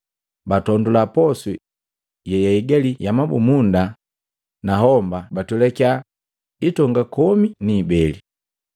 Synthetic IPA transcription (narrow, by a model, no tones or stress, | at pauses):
batɔndulapɔsu | jɛjaiɡɛlijamabṵmunda | naɦɔmbabatulɛka | itɔŋɡakɔminiːbɛli